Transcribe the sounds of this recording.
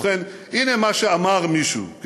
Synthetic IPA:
χenʔinemaʃeamaʁmiʃṵk

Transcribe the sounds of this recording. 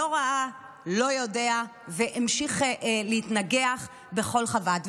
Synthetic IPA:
oʁaa | lo̞jo̞de̞a | veʔimʃiχleitnaɡeaχ | be̞χo̞lχavat

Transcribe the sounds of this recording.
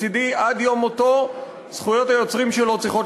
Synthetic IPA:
idiʔad̪jo̞moto̞ | sχujo̞tajo̞t͡sʁimʃelo̞t͡sʁiχot

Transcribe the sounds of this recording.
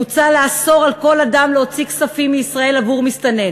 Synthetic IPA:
ut͡saleaso̞ʁalko̞ladamleot͡siksafimːiisʁae̞lavuʁmist̪ane

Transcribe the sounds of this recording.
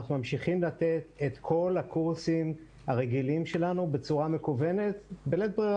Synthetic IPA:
aχnumamʃiχimlat̪e̞t̪et̪kʰo̞lhakuʁsim | haʁeɡilimʃe̞lanube̞t͡suʁamekuve̞ne̞t̪belet̪̚bʁi

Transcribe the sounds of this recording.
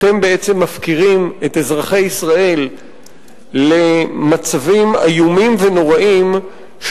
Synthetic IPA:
te̞mbe̞et͡se̞mːafkiʁime̞t̪ezʁaχe̞jisʁae̞l | e̞mat͡savima̰jumimve̞no̞ʁaʔim | ʃ

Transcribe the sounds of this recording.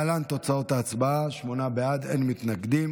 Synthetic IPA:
alant̪o̞t͡sao̞t̪aːt͡sbaaʃmo̞nabead̪ḛnmit̪naɡd̪im

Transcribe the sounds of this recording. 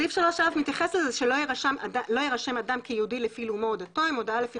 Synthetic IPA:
ifʃeloʃafmit̪jaχe̞slezeʃelojeʁaʃamaalo̞jeʁaʃe̞madamkejeudilefiluumood̪ato̞imod̪aalefi

